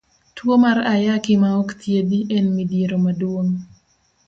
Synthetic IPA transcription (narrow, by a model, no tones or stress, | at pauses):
twomarajakɪmaɔkt̪ʰjediʔɛnmidjeɾomadwoŋ